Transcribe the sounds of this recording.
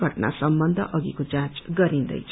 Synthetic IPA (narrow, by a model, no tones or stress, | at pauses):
ɡʱʌʈna̰sʌmbʌnd̪ʱʌ̰ʔʌɡikot͡sãt͡sɡʌɾind̪ʌ̰jt͡sʰ